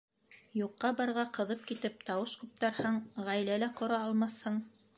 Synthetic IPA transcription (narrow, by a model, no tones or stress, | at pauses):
juqːɑbɑɾʁɑqɤ̆ðɤp̚kit̪ɘp̚t̪ɑwɤʃkʉp̚t̪ɑɾhɑɴʁæjlælæqŏɾɑɑlˠmɑθhɤɴ